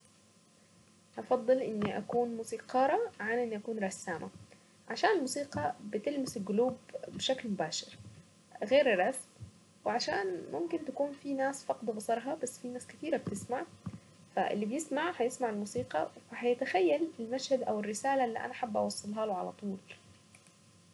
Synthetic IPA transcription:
ʔɑfɑd̪ˤːɨlʔɪnːiʔa̰kuːnmuːsiːqɑːɾˤɑʕanʔɪnːiʔakuːnɾˤɑsːaːmʔa̰ | ʕaʃaːnɪlmuːsiːqɑbɪt̪ɪlmɪsɪlɡʊluːbːɪʃaklmʊbaːʃɪɾ | ɣeːɾrˤɑsm | wɪʕaʃaːnmʔʊmkɪnt̪akuːnfinaːsfɑqd̪bɑsˤɑɾˤɦɑbasːfinaːskɪt̪iːɾab̚t̪ɪsmaʕ | fa̰ʔɪ̰lːibjɪsmaʕhɑjɪsmaʕɪlmuːsiːqɑfahɑjat̪axajːalɪlmaʃhad̪ʔawɪrːɪsaːlalːḭːʔa̰naħabːʔɑ̰wɑsˤːɨlɦɑːlʊʕala̰t̪ˤuːl

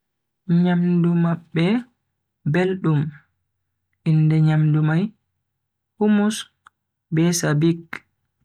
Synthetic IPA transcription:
ɲamdumabːɛ | belɗum | ʔindɛɲamdumaj | humus | bɛsabiɡ

